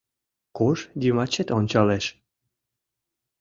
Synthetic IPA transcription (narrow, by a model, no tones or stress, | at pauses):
koʃd̪imɑt͡ɕet̪onʲt͡ɕɑleʃ